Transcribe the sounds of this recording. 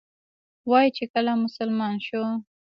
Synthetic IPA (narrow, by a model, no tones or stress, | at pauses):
wɑjit͡ʃekəlamʊsalmɑnʃo